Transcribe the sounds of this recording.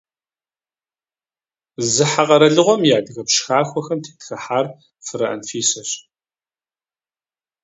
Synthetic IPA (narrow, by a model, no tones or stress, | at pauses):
zɨħaʁɐɾɐɮɨʁʷɔmjaːdɨɣɐpʃxaːxʷɔxɐmtʰe̥ːtxɐħaːr | fɨɾɐ̰ʔɐ̰nfiːsɐɕ